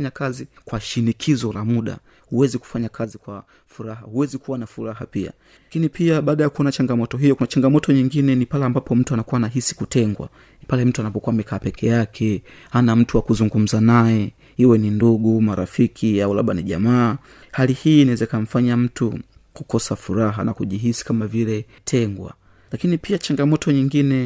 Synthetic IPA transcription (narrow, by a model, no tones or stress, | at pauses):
ɲakazikwaʃinikʰizɔlamuɗa̰ | huwɛziku̥faɲakʰazikwa | fuɾaɦahuwɛzikuwanafuɾaɦa̰pia̰ | kinipiaɓaːɗajakuɔnat͡ʃaŋɡamɔtɔɦijɔkunat͡ʃaŋɡamɔtɔɲiŋɡinɛnipalɛambapɔm̩tuanakuwanaɦisi̥kutɛŋɡwa̰ | palɛm̩tuanapɔkuamɛkʰaːpɛkʰɛjakʰɛ | hanam̩tuwakuzuŋɡum̩zanajɛ | iwɛninduɠumaɾa̰fikʰiaula̰ɓaniʄa̰maː | halihiːnawɛzɛikaɱ̩faɲam̩tu | kukɔsafuɾaɦa̰nakuʄiɦisi̥kamavilɛ | tʰɛŋɡwa̰ | lakinipiat͡ʃaŋɡamɔtɔɲiŋɡinɛ